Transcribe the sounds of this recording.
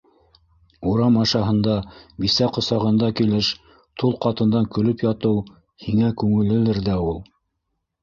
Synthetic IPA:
uɾɑmɑʃɑɦɤ̆nd̪ɑbisæqŏsɑʁɤ̆nd̪ɑkilɘʃ | t̪ulˠqɑt̪ɤ̆nd̪ɑŋkɵ̆lɵpjɑt̪ɤw | hiŋækʉŋɘ̆lɘ̆lɘɾðæulˠ

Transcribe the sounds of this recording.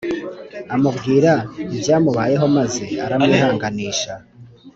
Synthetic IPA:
amubɡiːɾaibɟaːmuβaːje̞ɦo̞maze̞aɾamŋiːhaːŋɡaniːʃa

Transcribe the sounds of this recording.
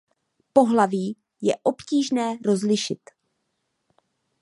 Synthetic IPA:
po̞ɦlaviː | jɛʔo̞pciːʒnɛːɾo̞zlɪʃɪt̪

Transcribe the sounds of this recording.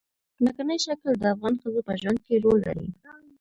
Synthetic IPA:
nakanəjʃakəld̪əafɣɑnxəzopəʒwand̪̚keɾolːa̰ɾḭ

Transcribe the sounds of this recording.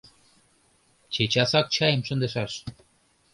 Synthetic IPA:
t͡ɕet͡ɕɑsɑk̚t͡ɕɑjəmʃə̆nd̪ə̆ʃɑʃ

